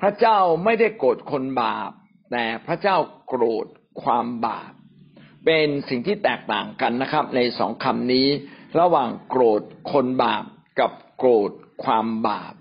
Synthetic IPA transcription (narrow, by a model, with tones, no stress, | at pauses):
pʰɾa˦˥t͡ɕaː˥˩wma˥˩jda˥˩jkoː˨˩t̪̚kʰo˧nbaː˨˩p̚ | t̪ɛː˨˩pʰɾa˦˥t͡ɕaː˥˩wkɾoː˨˩t̪̚ | kʰwaː˧mba̰ː˨˩p̚ː | e˧nsi˨˩ŋt̪ʰiː˥˩t̪ɛː˨˩k̚t̪a̰ː˨˩ŋka˧nː˦˥kʰɾa˦˥p̚na˧jsɔ̰ː˩˦ŋkʰa˧mniː˦˥ɾa˧waː˨˩ŋkɾoː˨˩t̪̚kʰo˧nbaː˨˩p̚ | ka˨˩p̚kɾoː˨˩t̪̚kʰwaː˧mba̰ː˨˩p̚